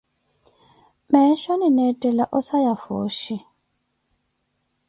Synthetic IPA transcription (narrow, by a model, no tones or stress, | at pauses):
mɛʃɔninɛtʼɛlaʔɔsajafo̰ːʃi